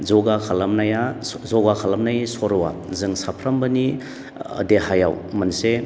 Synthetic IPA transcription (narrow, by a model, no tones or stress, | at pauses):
zɔɡakʰalamnajazɔɡakʰalɐmnajsɔɾɔwa̰zɯŋsapʰɾɐmbɐni | ə̰dehaja̰wmɐnse